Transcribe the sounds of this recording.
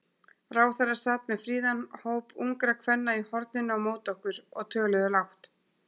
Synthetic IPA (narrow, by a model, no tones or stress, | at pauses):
raːwθaɾaɾ̥saːt̪mɛðfɾiːðanhoːwpuŋkɾakʰvɛnːaihɔɾt̪̚nɪnawmoːwt̪ɔhkʏɾɔ̰ɣt̪ʰœːɣlœðʏlawht̪